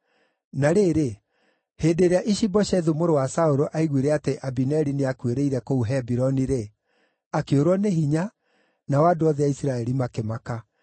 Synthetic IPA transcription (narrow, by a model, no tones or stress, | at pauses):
naɾeːɾe | heːdeɾeaʔiʃibɔʃɛðumoɾowasaoɾɔʔaiɣweɾɛateʔabinɛɾineakweɾeiɾɛkouɦɛbiɾɔniɾe | akeoɾwɔneɦiɲa | nawadoɔðɛaisiɾaɛɾimakemaka